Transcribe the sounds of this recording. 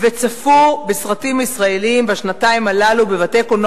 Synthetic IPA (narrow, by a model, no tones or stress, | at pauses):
vet͡safubesʁatimaisʁae̞liimveaʃnataimalalube̞vate̞kon